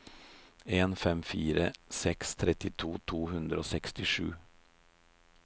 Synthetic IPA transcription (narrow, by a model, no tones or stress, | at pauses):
eːnfɛmfiːɾəsɛkst̪ʰɾɛt̪ɪt̪ʰuːt̪ʰuːhʉnd̪ɾəo̰ːsɛkst̪ɪʂʉ̰ː